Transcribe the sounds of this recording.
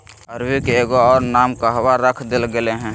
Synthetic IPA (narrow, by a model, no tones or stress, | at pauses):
əɾwikeeɡoɔːɾnamkaɦwaɾəkʰd̪elɡeleɦɛ̃